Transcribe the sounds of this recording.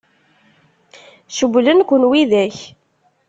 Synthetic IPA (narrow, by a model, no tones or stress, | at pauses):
ʃəblənkʷənwiðæç